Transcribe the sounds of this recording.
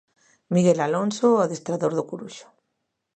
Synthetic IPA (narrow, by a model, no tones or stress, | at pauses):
miɣelalonsoaðest̪ɾaðoɾðokuɾuʃo̥